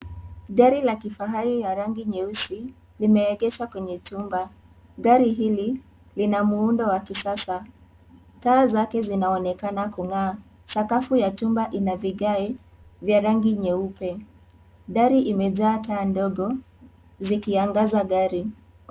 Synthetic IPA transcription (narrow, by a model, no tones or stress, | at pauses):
ɡaɾilakifaɦaɾijaɾaŋɡiɲɛusi | limɛːɠɛʃakwɛɲɛt͡ʃumba | ɠaɾiɦili | linamuundɔwakisasa | taːzakɛzinaɔnɛkanakuŋaː | sakafujat͡ʃumbaʔinaviɠaɛ | vjaɾaŋɡiɲɛupɛ | ɗaɾiʔimɛʄaːtaːndɔɠɔ | zikiaŋɡazaɡaɾi